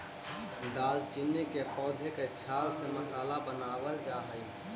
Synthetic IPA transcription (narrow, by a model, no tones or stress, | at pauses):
d̪aːlt͡ʃinːekepɔːd̪ʱeket͡ʃʰaːlseməsaːlabənaːʋəld͡ʒaːɦəi